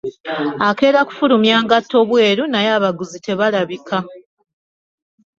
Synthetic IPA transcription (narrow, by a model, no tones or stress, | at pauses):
ake̞ːɾaku̥fuɾumjaːŋɡatːo̞ːβwe̞ːɾunajaːβaɡuzite̞βalaβika